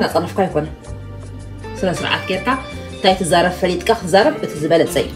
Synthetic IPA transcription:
nat͡sʼɐnɐfkʰajkʰo̞nɐ | sɨlɐsɨɾʕa̰t̪̚ɡeɾkʰa | ɨnt̪ʰajt̪ʰɨzaɾɐβfɐlit̪ʼkʰakɨt̪ɨzaɾɐβʔɨt̪ʰizɨβɐlɐt͡sʼɐju

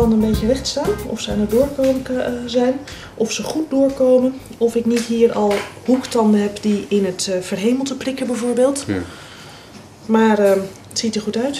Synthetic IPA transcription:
ɑndənbejtərɪχtstaːnɔfsəanədʊːɹkoːməzɛjn | ʔɔfsəχut̚dʊːɹkowmənɔfɪknitɦiːrɑlˠhuktɑndənɦɛpdiɪnətfərɦejməl̩ˠtəprɪkəbɛjvoːɹbeːlˠt | maːr | ətsitərχutœɥt

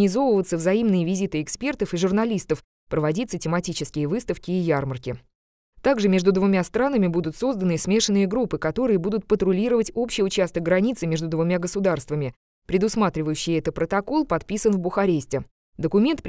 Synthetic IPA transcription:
nʲɪzo̞vəvət̪səvzɐimnɨjəvʲɪzʲit̪ɨɪkspʲe̞rt̪əfɨʐʊrnɐlʲist̪əf | pɾəvɐdʲit̪sətʲɪmɐtʲit͡ɕɪskʲɪjəvɨst̪əfkʲɪːjarmərkʲɪ | t̪aɡʐɨmʲe̞ʐd̪ʊd̪vʊmʲast̪ɾanəmʲɪbud̪ʊt̪so̞zd̪ənɨsmʲe̞ʂɨnːɨjəɡɾupːɨkɐt̪o̞ɾɨjəbud̪ʊt̪̚pət̪ɾʊlʲiɾəvətʲo̞pɕɪjʊt͡ɕast̪əkɡɾɐnʲit̪sɨmʲe̞ʐd̪ʊd̪vʊmʲaɡəsʊd̪arst̪vəmʲɪ | pɾʲɪd̪ʊsmat̪ɾʲɪvəjʉɕːɪjɛt̪ət̪̚pɾət̪ɐko̞lˠpɐt̪pʲisənvbʊxɐɾʲesʲtʲɪ | d̪əkʊmʲe̞nt̪̚p

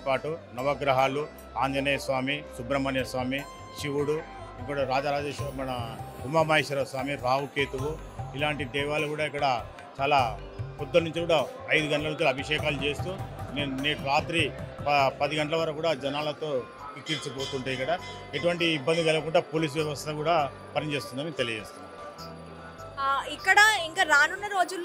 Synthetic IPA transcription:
paːʈunɐʋɐɡɾɐɦaːlu | aːnd͡ʒ̪ʱɐnɐjɐsʋaːmisubɾɐmɐnjɐsʋaːmi | ʃiʋuɽu | ikːɐɽɐɾaːd͡ʒaːɾaːd͡ʒeːʃmɐnɐkumaːmɐɦeːʃɐɾɐsʋaːmiɾaːɦukeːt̪uʋu | ilaːɳʈid̪ɛːʋaːlɐkuːɽaːikːɐɽɐ | t͡ʃaːlaː | kɔd̪ːɐnuɲt͡ʃikuːɽaɐjd̪uɡɐɳʈɐlɐnuɲt͡ʃiɐbʱiʂɛːkaːlut͡ʃe̞ːst̪uːneːnneːʈɾaːt̪ɾipɐpɐd̪iɡɐɳʈɐlɐʋɐɾɐkuːɽaːd͡ʒɐnaːlɐt̪o̞ː | kit̪iːɾt͡ʃupoːt̪uɳʈeːikːɐɽɐ | eʈuʋɐɳʈiːbːɐnd̪iʋɛlɐɐkuɳɖaːpoːliːs̬ʋjɐʋɐst̪ɐkuːɽaː | pɐɾɐɲt͡ʃeːst̪und̪aːmit̪elijɐd͡ʒeːst̪unːa̰ː | ikːɐɽɐiŋkaːɾaːnunːɐɾo̞ːd͡ʒulː

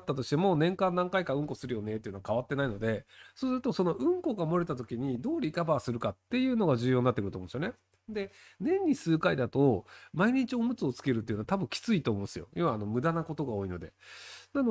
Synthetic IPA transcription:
t̪ːat̪o̞ɕi̥t̪e̞mo̞nẽ̞ŋkãnd̪ãŋkaikaɯ̟̃ŋko̞sɨɾɯ̟jo̞ne̞t̪ːeiɯ̟no̞akaβat̪ːe̞naino̞d̪e̞soːsɨɾɯ̟t̪o̞so̞no̞ʔɯ̟̃ŋko̞ɡamo̞ɾet̪at̪o̞kʲiɲ̟id̪o̞ːɾʲikabaːsɨɾɯ̟kat̪ːe̞jɯ̟ːno̞ɡaʑɨːjo̞ːɲinːat̪ːekɯɾt̪omõnsjo̞ne̞ | d̪e̞nẽ̞ɲ̟ːisɨːkaid̪at̪o̞maiɲ̟it͡ɕiomɯ̟t͡sɨot͡sɨ̥ke̞ɾɯ̟t̪̬ːeiɯ̟noat̪abɯ̟ŋ̃kʲi̥t͡sɨit̪o̞ːmõnesɨjo̞̰joβaːno̞mɯ̟d̪anako̞t̪o̞ɡao̞ːino̞d̪e̞̰nano

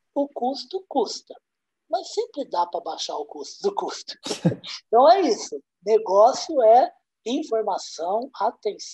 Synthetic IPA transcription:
ʊkust̪ʊkust̪ɐ | mɐsːẽmpɾɪd̪apɾɐbaʃaɾʊkust̪ʊd̪ʊkust̪ʊ̥̃t̪ɐ̃w̃ɛisʊ | neɡɔsiʊɛ | ĩfoɾmasɐ̃w̃at̪ẽs

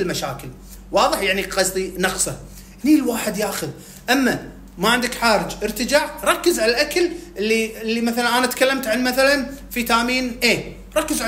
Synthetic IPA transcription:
ɪlmaʃaːkɪl | wɑːðˤɨħjaʕniqɑsˤd̪ˤinɑqsˤɑ | nilwaːħɪd̪jaːxʊð | ʔamːa | maʕɪnd̪ɪkħaːɾɪd͡ʒʔɪɾt̪ɪd͡ʒaːʕɾˤɑkːəzʕalalʔaklʔɪlːiɪlːimaθalanʔaːnat̪kalːamt̪ʕanmaθalanfit̪aʔmiːnʔeː | ɾˤɑkːəzʕa

